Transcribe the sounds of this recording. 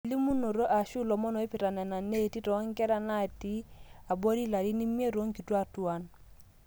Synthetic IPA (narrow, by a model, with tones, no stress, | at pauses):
li˦mu˦no˨ɾo˦ʔa˨ʃu˦˨lɔ˨mɔ˦nɔ˨˦i˦pɪ˨ɾa˨na˨na˨ne˦˨ti˦tɔ˨˦ŋ˦kɛ˦ɾa˦na˦˨ti˦a˨bo˦ɾi˦la˨ɾi˦ni˦m˦e˦ɾo˨˦ŋ˦ki˨twa˦tu˨a˨n